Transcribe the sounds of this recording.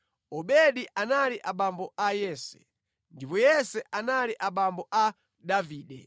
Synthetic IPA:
ɔɓɛɗiʔanaliʔaɓambɔʔajɛːsɛ̰ | ndipɔjɛsɛʔanaliʔaɓambɔʔa | daviːɗɛ

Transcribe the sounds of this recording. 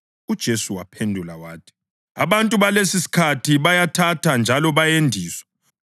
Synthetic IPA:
ud̥ʒ̥ʱesuwapʰendʱulawaːtʰi̥ | aβantʼuβalesisi̥kʰatʰiβajatʰatʰand͡ʒʱalɔβajendʱiːswḁ

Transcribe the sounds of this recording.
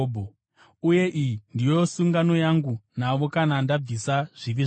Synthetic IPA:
bʱo | uje̞ʔijindijosuŋɡano̞jaŋɡunaʋo̞kanandab͡visaʐ̥iʋiʐ

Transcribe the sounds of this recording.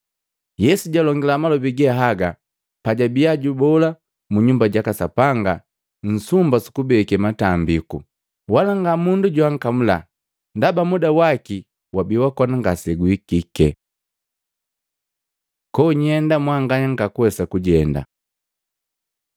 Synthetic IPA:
jɛsuɟalɔŋɡilamalɔbiɡɛɦaɡa | paɟabijaɟubɔla | muɲumbaɟakasapaŋɡa | n̩sumbasu̥kubɛkɛmatambiku | walaŋɡamunduɟwaŋ̩kamula̰ | ndabamudawaki | wabiwakɔnaŋɡasɛɡuikikɛ | kɔɲɛndamwaŋɡaɲaŋɡakuwɛsakuɟɛnda̰

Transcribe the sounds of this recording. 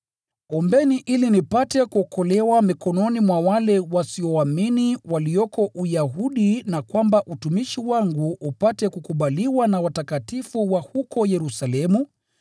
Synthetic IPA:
ɔmbɛniʔilinipatɛkuɔkɔlɛwamikɔnɔnimwawalɛwasiɔaminiwaliɔkɔʔujaɦuɗinakwambaʔutumiʃiwaŋɡuupatɛkukuɓaliwanawatakatifuwahukɔjɛɾusalɛmu

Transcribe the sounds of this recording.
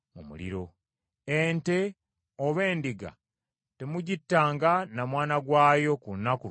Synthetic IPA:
mumṵlḭɾo̞ | ente̞ | oβe̞ːndiɡa̰ | te̞muɟitːaːŋɡanamwaːnaɡwaːjo̞kunːaku

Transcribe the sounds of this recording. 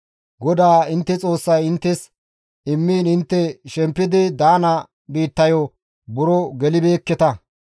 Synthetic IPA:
ɡɔd̪aːɪnt̪ːɛt͡sʼo̞ːsːɐjɪnt̪ːɛs | ɪmːiːnɪnt̪ːɛʃɛmpːɪd̪ɪd̪aːnɐ | biːt̪ːɐjɔ | bʊɾɔɡɛlɪbe̞ːkːɛt̪ɐ

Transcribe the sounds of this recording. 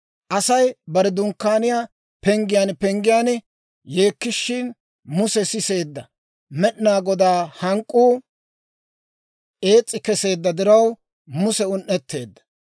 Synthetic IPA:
ʔɐsɐjbɐɾɛd̪ʊŋkːaːnɪjaː | pɛŋɡɪjaːnpɛŋɡɪjaːnɛ | je̞ːkːɪʃːɪn | mʊsɛsɪse̞ːd̪ːɐ | mɛɗnaːɡɔd̪aːhɐŋkʼːuː | ʔe̞ːt͡sʼːɪkɛse̞ːd̪ːɐd̪ɪɾɐw | mʊsɛʊnʔɛt̪ʰːe̞̰ːd̪ːɐ̥

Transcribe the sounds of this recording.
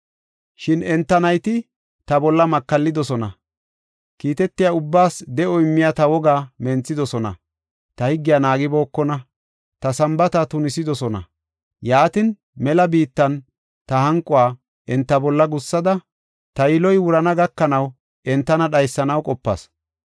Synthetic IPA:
ʃɪnɛnt̪ːɐnɐjt̪ɪ | t̪ɐbɔlːɐmɐkːɐlːɪd̪ɔsɔnɐ | kiːt̪ɛt̪ːɪjaʊbːaːsd̪ɛʔɔɪmːɪjat̪ɐwɔɡaːmɛnt͡sːɪd̪ɔsɔnɐ̰ | t̪ɐhɪɡːɪjanaːɡɪbo̞ːkːɔnɐ | t̪ɐsɐmbɐt̪ɐt̪ʊnɪsɪd̪ɔsɔnɐ̰ | jaːt̪ɪn | mɛlɐbiːt̪ːɐn | t̪ɐhɐŋkʼːʊwaː | ʔɛnt̪ːɐbɔlːɐɡʊsːɐd̪ɐ | t̪ɐjɪlɔjwʊɾɐnɐɡɐkːɐnɐw | ɛnt̪ːɐnɐɗɐjsːɐnɐwkʼɔpːɐ̰s

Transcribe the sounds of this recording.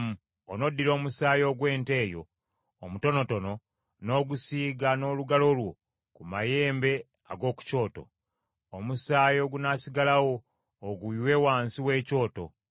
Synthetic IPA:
mu | ono̞dːiɾo̞ːmusaːjo̞ːɡwe̞ːnte̞ːjo̞̰ː | muto̞no̞to̞no̞ | no̞ɡusiːɡano̞ːluɡalo̞lwo̞ | kumaje̞ːmbe̞ | a̰ɡo̞ːku̥co̞ːto̞̰ | omusaːjo̞ːɡunasiɡalawo̞ː | ɡuiwewaːnsiwe̞ːco̞ːto̞̰

